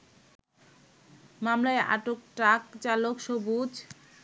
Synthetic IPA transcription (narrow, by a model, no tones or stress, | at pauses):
mamlaeʔa̰ʈok̚ʈakt͡ɕalokʃobud͡ʑ